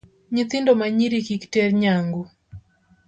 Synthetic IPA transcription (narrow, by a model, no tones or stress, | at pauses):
ɲit͡sɪndɔmaɲiɾikiktɛrɲaŋɡu